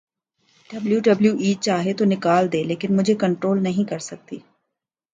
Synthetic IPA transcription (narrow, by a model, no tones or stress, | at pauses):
ɖɐbljuɖɐbljuʔiːt͡ʃaːɦet̪onɪkaːld̪eːleːkɪnmʊd͡ʒʱekɐ̃ɳʈɾoːlnɐɦĩkɐɾsɐk̚t̪iː